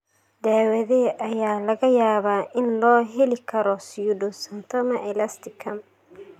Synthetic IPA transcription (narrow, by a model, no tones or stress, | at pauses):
d̪aːwɐðɛʔɐjaːlɐɣɐjaːβaːʔɪnlɔːɦɛlɪkʰɐɾɔsiudʊsɐnt̪ʰɐmɐʔɛlɐst̪ɪkʰɐm